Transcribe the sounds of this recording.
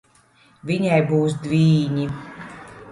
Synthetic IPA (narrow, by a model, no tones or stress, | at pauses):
vʲiɲajbuːsd̪vʲiːɲi